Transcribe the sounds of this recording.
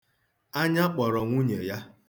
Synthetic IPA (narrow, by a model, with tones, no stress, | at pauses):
a˦ɲa˦k͡pɔ˨ɾɔ˨ŋʷu˦ɲe˨ja˦